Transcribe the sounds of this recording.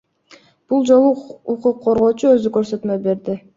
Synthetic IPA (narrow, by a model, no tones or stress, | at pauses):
b̥ulˠd͡ʒo̞lˠuuquqʰːoɾʁo̞ːt͡ʃuø̞zykø̞ɾsø̞t̪møbe̞ɾd̪ɪ